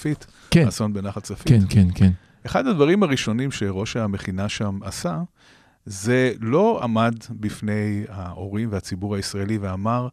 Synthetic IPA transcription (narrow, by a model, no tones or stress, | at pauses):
fit̪ | so̞nbenaχatt͡safikenken | eχadhad̪vaʁimaʁiʃo̞nimʃeʁo̞ʃameχinaʃama̰sa | ze̞lo̞a̰madbifne̞jaʔo̞ʁimveat͡sibuʁaisʁaeliveamaʁ